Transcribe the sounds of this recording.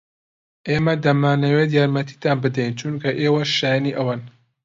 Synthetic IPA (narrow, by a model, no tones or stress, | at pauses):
ʔeːmɐd̪ɐmaːnɐweːt̪jaːɾmɐt̪ʰi̥ːt̪aːnbɨd̪ɛjnt͡ʃʰunkʰɐʔeːwɐʃaːjaniʔɐwaːn